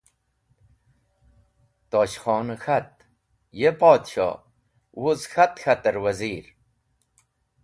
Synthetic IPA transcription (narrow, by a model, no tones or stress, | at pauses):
t̪oːɕxɔːnxat̪̚ | jepoːd̪ɕo̰ | wuzxat̪xat̪əɾwɐziːɾ